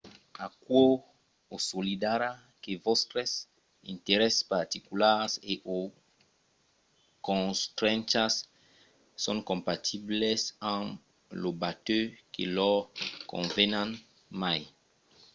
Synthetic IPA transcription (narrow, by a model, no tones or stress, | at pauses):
akwo | osolid̪aɾa | kevɔst̪ɾes | ḭ̃nt̪eɾɛspaɾt̪ikulaɾseʔo | kõst̪ɾɛ̃nt͡ʃasː | õŋkõmpat̪ʰiblesãŋ | lobat̪økelɔkõ̰nvenãn | maj